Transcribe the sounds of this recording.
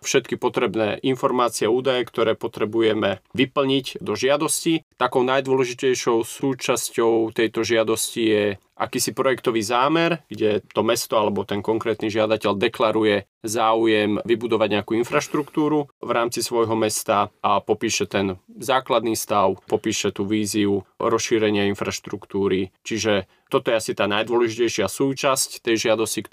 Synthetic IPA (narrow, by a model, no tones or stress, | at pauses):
fʃɛt̪kipɔt̪ɾɛbnɛ̰ːʔinfɔɾmaːt͡siɪɛauːd̪ajɛkt̪ɔɾɛːpɔt̪ɾɛbujɛmɛʋipl̩ɲicd̪ɔʒɪad̪ɔscit̪akɔʊnajd̪ʋɔlɛʒicɛjʃɔʊsuːt͡ʃascɔʊt̪ɛjt̪ɔʒɪad̪ɔscijɛ | ʔa̰kiːsipɾɔjɛkt̪ɔʋiːzaːmɛɾɡ̥ɟɛt̪ɔmɛst̪ɔalɛbɔt̪ɛnkɔŋkɾɛːt̪niʒɪad̪acɛʎd̪ɛklaɾujɛ | zaːujɛmʋibud̪ɔʋaɟɲɛakuːinfɾaʃt̪ɾukt̪uːɾuʋɾaːmt͡sisʋɔjɦɔmɛst̪aʔapɔpiːʃɛt̪ɛnzaːklad̪niːst̪aʊpɔpiːʃɛt̪uːʋiːziuɾɔsʃiːɾɛɲɪainfɾaʃt̪ɾukt̪uːɾit͡ʃiʒɛ | t̪ɔt̪ɔjɛasit̪aːnajd̪ʋɔlɛʒicɛjʃɪasuːt͡ʃasct̪ɛjʒɪad̪ɔscik